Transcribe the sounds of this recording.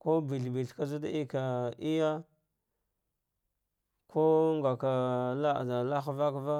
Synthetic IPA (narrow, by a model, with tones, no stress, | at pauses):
ko˦bi˨ɬbi˨ɬka˦zu˦da˦i˦ka˨i˦ja˦ | kʰo˦ŋɡa˨ka˨la˦˨a˨la˦xva˦kva˦